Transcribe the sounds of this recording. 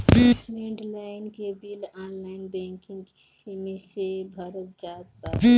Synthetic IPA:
bimẽɳɖlaːɪnkebilaːnlaɪnbɛ̃ŋkɪ̃ŋɡki̥simẽsebʱəɾət̪̚d͡ʒaːt̪ba

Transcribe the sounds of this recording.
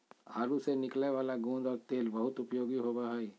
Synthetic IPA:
aːɾusenɪkleʋaːlaɡũːnd͡ʒ̪ɔːɾt̪eːlbɐɦʊt̪ʊpjoːɡiɦoːbaɦaːiː

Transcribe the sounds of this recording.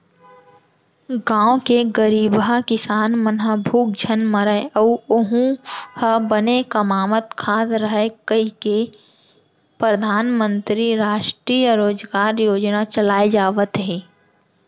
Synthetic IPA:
ɡãːõkeɡəɾiːbakɪsaːnmənɦəbʱuːk̚d͡ʒʱənməɾəəːʊɦũhəbənekəmaːmət̪kʰaːt̪ɾəɦekəike | pɾəd̪ʱaːnmə̃nt̪ɾiɾaːʃʈɾiːjəɾoːd͡ʒɡaːɾjoːd͡ʒnat͡ʃəlaːed͡ʒaːʋət̪ɦeː

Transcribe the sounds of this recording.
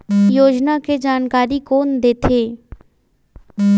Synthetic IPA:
jod͡ʒnaked͡ʑankaɾikond̪et̪ʰe

